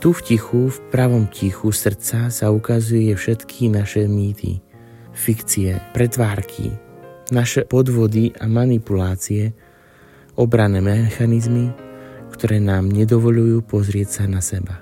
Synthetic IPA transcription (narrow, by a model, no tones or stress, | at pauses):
t̪ufcixufpɾaʋɔmcixusr̩t͡sasaukazujɛjɛfʃɛt̪kʰinaʃɛmiːt̪ʰḭ | fikt͡siɛpɾɛt̪ʋaːɾkʰḭnaʃɛpɔd̪ʋɔd̪iʔamanipulaːt͡siɛ | ɔbɾanɛːmɛxanizmikt̪ɔɾɛːnaːmɲɛd̪ɔʋɔʎujuːpɔzɾɪɛcsanasɛba